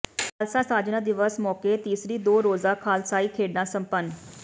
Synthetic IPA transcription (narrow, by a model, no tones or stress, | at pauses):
kʰaːlsaːsaːd͡ʒnãːd̪ɪʋəsmɔːkeːt̪iːsɾiːd̪oːɾoːzaːkʰaːlsaːiːkʰeːɖnãːsə̃mpən